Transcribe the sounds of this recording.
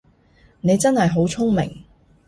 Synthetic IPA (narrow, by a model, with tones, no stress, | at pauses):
ne˨˧jt͡sɐ˥nhɐ˨jɦo˨˥wt͡sʰʊ˥ŋmɪ̰˨˩ŋ